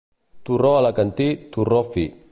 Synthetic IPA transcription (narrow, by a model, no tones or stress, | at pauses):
t̪uɾɔalakant̪it̪urɔfi